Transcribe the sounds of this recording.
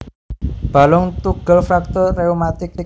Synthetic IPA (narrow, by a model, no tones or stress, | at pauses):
b̥a̤lɔŋt̪uɡ̥ə̤lfɾak̚t̪ɔreomat̪ɪk